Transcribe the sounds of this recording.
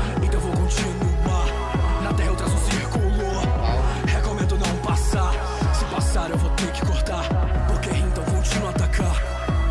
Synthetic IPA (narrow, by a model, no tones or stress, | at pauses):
ẽt̪ɐ̃w̃vowkõt͡ʃinuaɾ | nɐt̪ɛhɐowt̪ɾɐzũsiɾkulo | hekomẽnd̪ʊnɐ̃w̃pasaɾ | sɪpasaɾewvot̪eɾkɪ̥koɾt̪aɾpoɾkeẽt̪ɐ̃w̃vowkõt͡ʃinuat̪akʰaɾ